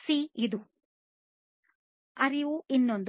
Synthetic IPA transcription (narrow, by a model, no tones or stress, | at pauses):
siid̪u | ɐɾiʋuʔinːond̪